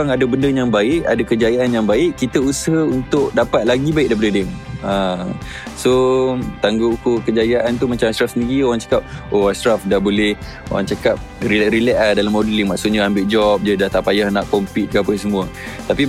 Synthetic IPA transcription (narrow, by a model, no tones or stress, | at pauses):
aŋadəbəndəjaŋbaɪʔa̰dakəd͡ʒajaʔanjaŋbaɪʔkːit̪əusəɦəunt̪ʊkdapat̪̚laɡibaɪʔ̚daipadədɛma | sot̪aŋɡoukukəd͡ʒajaʔant̪umat͡ʃamasɾafsəniɡioɾaŋt͡ʃḁkap̚oasɾafdahbolɛh | o̰ɾa̰ŋt͡ʃakap̚riɾilɛʔahdalamːɔdəliŋmaʔsʊʔɲaambɪʔd͡ʒɔp̚d͡ʒadaht̪apajahnaʔkɔmpit̪̚kapəsəmũə | t̪api